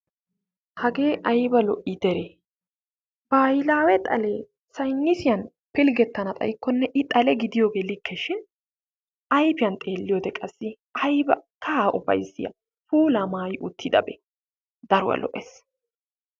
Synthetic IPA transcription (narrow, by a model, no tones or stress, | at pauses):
hɐɡe̞ːʔɐjbɐlɔʔid̪ɛɾeː | b̥aːjɪlaːwɛt̪ʼɐ̰leː | sɐjnːɪsɪjɐn | pɪlɡɛt̪ːɐnɐt̪ʼɐ̰jɪkːɔnːɛʔɪt̪ʼɐlɛɡɪd̪ɪjo̞ːɡe̞ːlɪkʰːɛʃɪn | ʔɐjpɪjɐnt̪ʼe̞ːlːɪjoːd̪ɛkʼɐsːɪ | ɐjbɐkʰɐaːʔʊfɐ̰jsːɪjɐ̰ | fuːlaːmaːjɪʔʊt̪ʰːɪd̪ɐ̰bɛ̰ | d̪ɐɾʊwɐ̰lɔ̰ʔes